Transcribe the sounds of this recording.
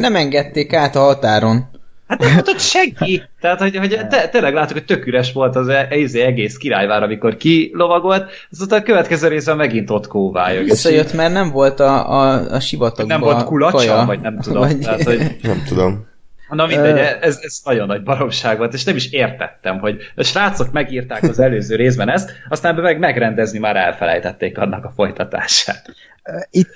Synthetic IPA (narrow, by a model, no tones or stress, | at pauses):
nɛmɛŋɡɛt̪ːeːkaːt̪ɒɦɒt̪aːɾo̞nhat̪nɛmot̪ot̪ʃɛŋkit̪ɛɦaːt̪ho̞ɟho̞ɟt̪ɛt̪ːeːlɛɡlaːt̪ːukhoc̚t̪økyɾɛʃʋo̞lt̪ɒzɛɛizeːɛɡeːskiɾa̰ːjvaːɾɒmiko̞rkilo̞vɒɡo̞lt̪ | ɒzoːt̪ɒkøvɛt̪kɛzøːɾeːzbɛmːɛɡint̪o̞t̪koːva̰ːjovisːɒjøt̪mɛrnɛɱvo̞lt̪ɒ̰ | ʃivɒt̪onɛmvo̞lkulɒt͡ʃɒvɒɟnɛmt̪ud̪omaːhoɟnɛmt̪ud̪om | nɒmind̪ɛɛɛzɛznɒɟo̞nːɒɟ̚bɒɾo̞kʃaːɡʋo̞lt̪eːʃnɛmiʃeːrt̪ɛ̰t̪ːɛmɦo̞ɟʃraːt̪so̞t̪mɛɡiːrt̪aːkɒzɛløːzøːɾeːzbɛnɛst̪ɒst̪aːnbɛmɛɡmɛɡɾɛnd̪ɛznimaːɾɛ̰lfɛlɛ̰jt̪ɛt̪ːeːkɒ̰nːɒkɒfo̞jt̪ɒt̪a̰ːʃa̰ːt̪ː | i